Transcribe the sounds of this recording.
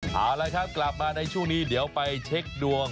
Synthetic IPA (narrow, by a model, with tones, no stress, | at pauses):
ʔaː˨˩wlaː˧jkʰa˦˥p̚kla˨˩p̚maː˧na˧jt͡ɕʰu˥˩ŋniː˦˥di˩˦əwpa˧jt͡ɕʰe˦˥k̚du˧əŋ